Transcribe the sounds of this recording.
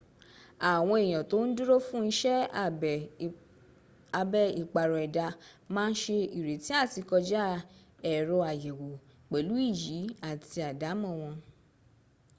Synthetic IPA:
a˨w̃ɔ̃˧e˨j̃ã˨to˨˦n̩˦du˦ɾo˦fũ˦n̩˦ʃɛ˦ | a˧˨bɛ˦i˨k͡pa˨ɾɔ˨ɛ˨da˧mãː˦n̩˦ʃe˧i˨ɾe˨ti˨˦a˦˨ti˧kɔ˧d͡ʒa˦ | ɛ˨ɾɔ˧a˨jɛ˨wo˨ | k͡pɛ˨lu˨˦i˦˨ji˨˦a˦˨ti˧a˨da˨˦mɔ̃˦˨w̃ɔ̃˧

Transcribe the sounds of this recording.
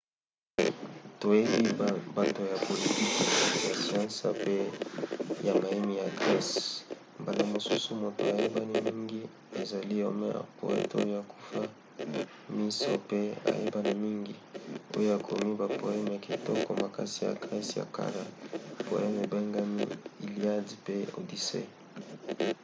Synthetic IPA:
to˨je˦bi˦ba˨to˨ja˨po˨li˨ti˦kja˨si˨ã˦sa̰˨pe˦ | ja˨ma˨ji˦mi˨ja˨ɡʁɛ˦s | mba˨la˨mo˨su˦su˦mo˨to̰˨a˨je˦ba˦ni˦mi˦ŋɡi˦ | e˨za˨li˦o˦mɛ̰˦a̰˨ko̰˨ɛ̰˦to˦jo˦a˨ku̥˦fa˦ | mi˦so˦pe˦a̰˨je˦ba˦ni˨mi˦ŋɡi˨o˦jo˦a˨kʰo˨mi˦ba˨po˨ɛ˦m˨ja˨ki˨tɔ˦ko˨ma˨ka˦si˨ja̰˨ɡʁɛ˦sja̰˨ka̰˦la˨po̰˨ɛ˦m˨e˨be˦ŋɡa˦mi˦i˨li˦a˦di˨pe˦o̰˨di˨sḛ˦

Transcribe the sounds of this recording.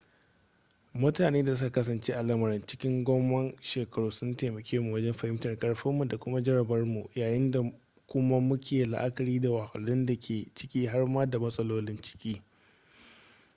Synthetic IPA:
mʊ˦taː˨neː˦da˨s̬ʊ˦ka˨kɐ˦s̬ɐ˨nt͡ʃeː˦ʔa˨lɐ˦mɐ˨ɾɪ˦nt͡ʃɪ˦kʲɪ˦ŋɡʷɔ˦mːɐ˦nʃeː˨kɐ˨ɽuː˦sʊ˦nteː˨mɐ˨kʲʰeː˦mu˨wɐ˦d͡ʒɛ˦mɸɐ˨hɪ˦mtɐ˨rkʼɐ˦ɽɸɐ˦mːu˨da˨kʷʊ˦ma˦d͡ʒɐ˦ɾɐ˨bɐ˦rmu˨jaː˨jɪ˦nda˨ | kʷʊ˦ma˦mʊ˦kʲeː˨la̰˨ʔa˦kɐ˨ɾiː˦da˨wa˨hɐ˨lːɪ˦nda˨kʲʰeː˨t͡ʃɪ˦kʲiː˦ɦa˦rmaː˦da˨mɐ˦sʼɐ˦loː˦lɪ˦nt͡ʃɪ̥˦kʲiː˦

